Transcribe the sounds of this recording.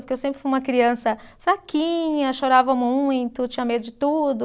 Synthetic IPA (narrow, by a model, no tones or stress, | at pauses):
poɾkewsẽpɾɪfiũmɐkɾiɐ̃sɐfɾakĩɲɐʃoɾavɐmũj̃t̪ʊt͡ʃĩɲɐmed̪ʊd͡ʒɪt̪ud̪ʊ